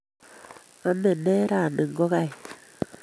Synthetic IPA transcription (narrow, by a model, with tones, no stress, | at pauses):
a˨mɛ˨ne˦ɾa˨ne˨ŋɡo˦ɣa˦j